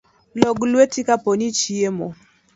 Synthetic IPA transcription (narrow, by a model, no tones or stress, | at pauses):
lɔɡlwetikapɔnit͡ʃiemɔ